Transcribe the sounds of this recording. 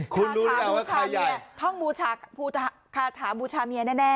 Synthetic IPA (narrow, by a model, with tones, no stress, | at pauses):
kʰu˧nɾu˧˦lɯ˦˥kaː˧˩waː˥˩kʰaaː˧˩jjai˧˨˩ɐt̪ʰɔ˥˩ŋbuː˧t͡ɕʰaː˧pʰuː˧t͡ɕʰa˧ | kʰaː˧t̪ʰaː˩˦buː˧t͡ɕʰaː˧mi˧ɐnɛː˥˩nɛː˥˩